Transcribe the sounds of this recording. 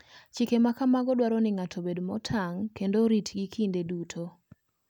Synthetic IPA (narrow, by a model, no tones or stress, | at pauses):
t͡ʃikemakamaɡɔdwaɾɔnɪŋatʰobedmɔtʰaŋkendoɾitɡikʰindedutʰo